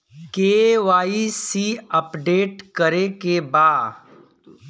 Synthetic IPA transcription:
keːʋaːisiːəpɖeːʈkəɾekebaːd

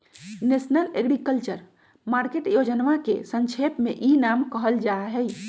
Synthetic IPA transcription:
nesnəleɡɾikəlt͡ʃəɾ | maɾkeʈjod͡ʒənʋakḛsə̃nt͡ʃʰepmeʔinamkəɦəld͡ʒaɦɛj

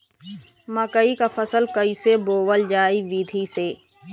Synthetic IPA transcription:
məkəikafəsəlkəiseboːwəld͡ʒaːiʋiːd̪ʱiseː

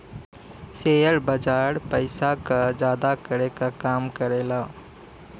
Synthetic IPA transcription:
sejəɾbəd͡ʒaːɾpəɪsakad͡ʒaːd̪akəɾekakaːmkəɾelaː

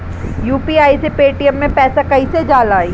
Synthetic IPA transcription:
juːpiaːisepeːʈiəmːẽpɛːsakɐised͡ʒaːlaːiː

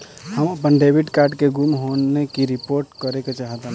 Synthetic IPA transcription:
həməpənɖebʱiɖkaɾɖkeɡumɦonekiɾipoɾʈkəɾeket͡ʃaɦt̪ə̃n

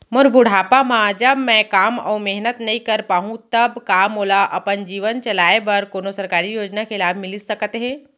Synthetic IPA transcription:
mʊɾbʊɽ̤ʱaːpamãd͡ʒɐbmɛ̃kaːmɔ̰ːmɛɦnət̪nɐɦĩkɐɾpaːɦũt̪ɐbkaːmoːlaʔɐpənd͡ʒiːʋənt͡ʃɐlaːebɐɾkoːnosɐɾkaːɾijoːd͡ʒnakɪlaːbʱmɪlisɐkət̪ɦɛ̃ː

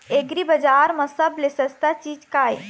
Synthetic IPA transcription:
eɡɾibɐd͡ʒaːɾmɐ̃sɐblesəst̪at͡ʃiːd͡ʒkaːe

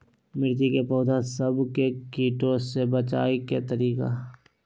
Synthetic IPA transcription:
mɪɾd͡ʒikepɔːd̪ʱãsəbkekiːʈõsebət͡ʃa̰ːiket̪əɾiːka̰

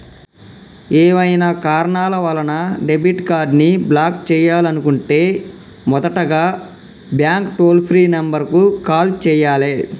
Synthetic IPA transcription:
eːʋɐjnakaːɾɐɳaːlɐʋɐlɐnɐɖebiʈkaːɾɖniblaːkt͡ʃɛːjaːlɐnukuɳʈeː | mɔd̪ɐʈɐɡaː | bjaːŋkʈoːlpʰɾiːnɐmbɐɾkukaːlt͡ʃɛːjaːle

